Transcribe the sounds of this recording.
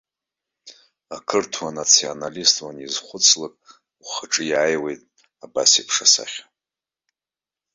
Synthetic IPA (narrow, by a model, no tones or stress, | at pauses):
akʰɨrtʰwanat͡sʰionalistʼwanizχʷʊt͡sʰlakʼ | uχəʈ͡ʂʼɨjaːjwe̞jtʼ | aba̰sipʰʂasa̰χʲa